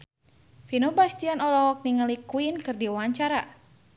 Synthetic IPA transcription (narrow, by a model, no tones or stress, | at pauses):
finobast̪ianɔlɔɦɔk̚niŋəlikuinkɨrdiwaɲt͡ʃaɾa